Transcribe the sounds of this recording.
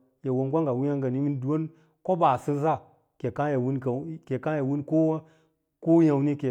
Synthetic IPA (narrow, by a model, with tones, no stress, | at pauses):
ja˨wo˨nɡʷa˦ŋɡa˨wu˦ja˦ŋɡa˨ni˦mi˦ndu˨wo˦n | ko˦ba˨si˦nza˦˨ | ke˨ka˦ja˨wu˦nkke˨ka˦ja˨wu˦nko˦ | ko˦ja˨wni˦ke˨